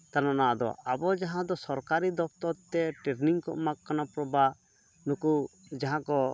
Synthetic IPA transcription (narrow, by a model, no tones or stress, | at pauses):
t̪ananaʔd̪ɔ̰ʔabɔd͡ʒaɦãd̪ɔsɔɾkaɾid̪ɔp̚ʰt̪ɔɾt̪ɛʈeɾniŋkɔ̰ʔmakkːanapɾɔba | nukud͡ʒaɦãkɔ